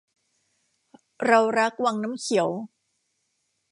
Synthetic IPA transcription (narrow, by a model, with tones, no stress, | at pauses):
ɾa˧wɾa˦˥k̚wa˧ŋnaː˦˥mkʰi˨˩˦əw